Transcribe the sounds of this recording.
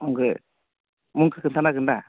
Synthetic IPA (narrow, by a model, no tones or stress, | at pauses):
ɔŋɡɯ | muŋkɯkɯnt̪ʰanakɯnd̪a